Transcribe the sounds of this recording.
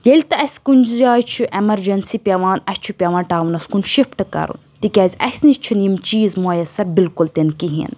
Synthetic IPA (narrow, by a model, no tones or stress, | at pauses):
jelʲt̪ɐɐsʲkunʲd͡ʒzaːjt͡ʃʰuʔemɐɾd͡ʒɐnsiːpʲɐʋaːnɐsʲt͡ʃʰupʲɐʋãːnʈaːʋunɐskunʃifʈɨkɐ̰ɾṵnnt̪ikʲɐzʲɐ̰sʲnit͡ʃʰunimt͡ʃiːzmoːjɐsɐbilkult̪enkiɦḭn